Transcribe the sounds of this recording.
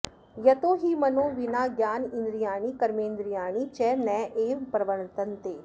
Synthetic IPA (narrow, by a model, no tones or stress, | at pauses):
jət̪oːɦiːmənõːʋɪnaːɡjaːnɪ̃nd̪ɾɪjaːɳiːkəɾmẽːnd̪ɾɪjaːɳ̃iːt͡ʃɛːnɛ̃ːʔeːʋpɾəʋəɳt̪ənt̪eː